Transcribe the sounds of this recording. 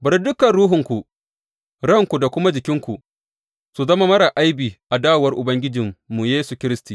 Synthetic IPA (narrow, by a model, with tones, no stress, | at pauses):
bɐ˨ɾdʊ˦kɐ˨nɽuː˦ɦʊ˨ŋkʷu˨ | ɽɐ˦ŋkʷu˨da˨kʷʊ˦ma˦d͡ʒɪ˨kʲɪ˦ŋkʷu˨ | su˨zɐ˦ma˦mɐ˦ɾa˨ʔa˦jbiː˨ʔa˨daː˦wwɐ˦rʔʊ˨bɐ˦ŋɡʲɪ˦d͡ʒɪ˨mːu˨jeː˦su˨kʲɪ˦ɾɪ˦stiː˨